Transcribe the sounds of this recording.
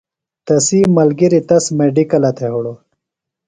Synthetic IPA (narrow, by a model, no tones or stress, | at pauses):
t̪ɐsiːmɐlɡiɾit̪ɐsmeɖikɐlɐt̪ʰeɦuɽo